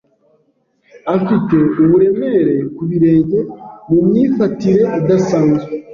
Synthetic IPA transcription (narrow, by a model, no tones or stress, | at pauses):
afite̞uβuɾe̞me̞ɾe̞kuβiɾe̞ːɲɟe̞mumɲiːfatiɾe̞adasaːnzwe